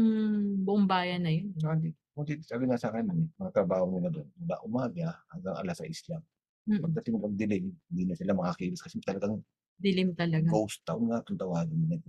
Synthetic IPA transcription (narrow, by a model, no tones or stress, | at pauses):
bʊʔʊŋbaːjɐnːɐjonsɐkɐnd̪iːt̪okod̪it̪saːɡɪnɐsaːkɐnɐnɪmɐŋat̪ɾɐbaːhonɪlad̪onwɐla̰ʔʊmaːɡahaŋɡɐŋʔɐ̰lasɐʔɪslam | pɐɡ̚t̪ɐt̪ɪŋpɐɡ̚d̪ɪlɪmhɪnd̪iːnɐsɪlamɐkakiwɪskɐsɛt̪ɐlɐɡaŋ | d̪ɪlɪmt̪ɐlɐɡkowst̪ːɐʔʊnŋat̪ʊnt̪ɐwaːɡɪnɪlɐd̪